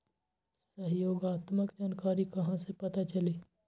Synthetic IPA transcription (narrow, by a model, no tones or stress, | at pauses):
səɦjoːɡaːt̪məkd͡ʒaːnkaːɾikɐɦãsepɐt̪at͡ʃɐleː